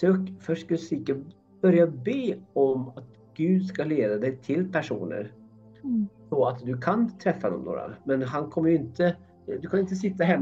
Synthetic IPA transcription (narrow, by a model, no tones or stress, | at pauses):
søːkfœʂskad̪sɪkːə | b̥œɾjabeːɔmat̪ | ɡ̥ʉ̟ːd̪skaleːd̪ad̪ɛjt̪ʰɪlpʰæʂṵːnə̰ɾ | sɔat̪d̪ɵkʰant̪ʰɾɛfːad̪ɔ̰mno̰ːɾa̰mɛnɦankʰɔmːəjɵɪnt̪ə | d̪ɵkʰanɪnt̪əsɪt̪ːaɦɛmː